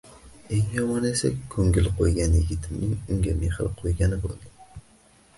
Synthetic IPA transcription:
e̞ŋjɒmɒnesa̰kʲkʰːɵŋɡʲɪlˠqʰojɡʲanjɪɡʲɪt̪ʰɪmnɪŋʊŋɡʲameχɪɾɪqʰojɡʲanɪbo̰lˠd̪ɪ

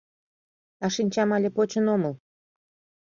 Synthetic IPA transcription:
ɑʃinʲt͡ɕɑmɑlʲepot͡ɕə̆noməlˠ

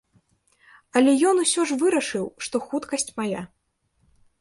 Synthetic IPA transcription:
ɐlʲɛjɔnusʲɔʐvɨɾɐʂɨwʂt̪ɔxut̪kɐsʲt͡sʲmaja

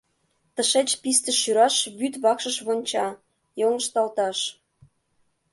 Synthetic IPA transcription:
t̪ə̆ʃet͡ɕpist̪ə̆ʃyɾɑʃβyt̪βɑkʃə̆ʃβonʲt͡ɕɑ | joŋə̆ʃt̪ɑlt̪ɑʃ

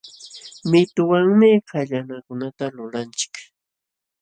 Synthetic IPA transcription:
mɪt̪ʊwaŋmɪkaʎanakʊnat̪alʊlant͡ʃɪ̥k

